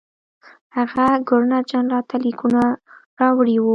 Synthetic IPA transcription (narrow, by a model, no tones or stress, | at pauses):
haɣaɡʊɾnɑd͡ʒɑnlɑt̪ʰalikunaɾɑwɽiwu